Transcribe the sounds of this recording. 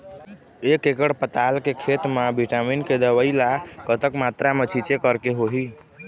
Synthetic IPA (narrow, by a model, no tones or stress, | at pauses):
ekekəɽpət̪alkekʰet̪mebiʈaminked̪əʋəilakət̪əkmat̪ɾamet͡ʃʰit͡ʃekəɾkeɦoɦi